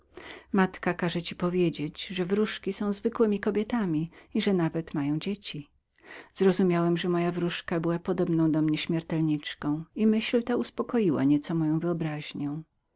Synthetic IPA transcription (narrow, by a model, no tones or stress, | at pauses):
mat̪kakaʐɛt͡ɕipɔvʲjed͡ʑed͡ʑʐɛvɾuʂkʲisɔ̃w̃zvɘkwɘmʲikɔbʲjet̪amʲiiʐɛnavɛt̪majɔ̃w̃d͡ʑet͡ɕi | z̥ɾɔzumʲjawɛmʐɛmɔjavɾuʂkabɘwapɔd̪ɔbnɔ̃w̃d̪ɔmɲɛɕmʲjɛɾt̪ɛlɲit͡ʂkɔ̃w̃imɘɕlt̪auspɔkɔjiwa̰ɲɛt̪sɔmɔjɔ̃w̃vɘɔbɾaʑɲɔ̃w̃